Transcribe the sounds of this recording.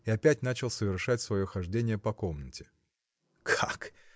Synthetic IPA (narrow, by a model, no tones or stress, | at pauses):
ɪɐpʲætʲn̪at͡ɕɪlˠsəvʲɪrʂatʲsvɐjo̞xɐʐdʲenʲɪjəpɐko̞mnətʲɪ̥ | kʰak